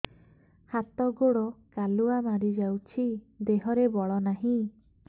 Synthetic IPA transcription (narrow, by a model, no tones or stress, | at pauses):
hat̪ɔɡoɽɔkaluamaɾid͡ʒawt͡ʃʰi | d̪eɦɔɾebɔɭɔnaɦĩ